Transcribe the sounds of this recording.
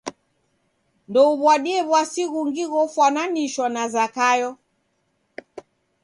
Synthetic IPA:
ndɔuβwaɗiɛβwasiɣuŋɡiɣɔfwananiʃwanazakajɔ

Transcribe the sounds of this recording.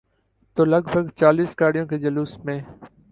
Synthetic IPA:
t̪oːləɡbʱəɡt͡ʃaːliːskaːɽijõːkeːd͡ʒəluːsmẽː

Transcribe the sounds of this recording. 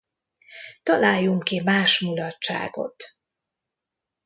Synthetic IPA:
t̪ɒlaːjːuŋkimaːʃmulɒtt͡ʃːa̰ːɡo̞̰t̪

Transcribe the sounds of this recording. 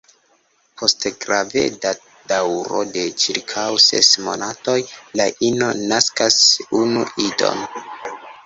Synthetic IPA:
pʰo̞stɡɾavḛda | d̥awɾo̞̰de̞t͡ʃiɾkʰawsḛsmo̞̰nato̞jlaʔino̞naskasunuʔido̞̰n

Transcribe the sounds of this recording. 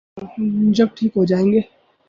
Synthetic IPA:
d͡ʒɐb̚ʈʰiːkɦod͡ʒaːẽːŋɡeː

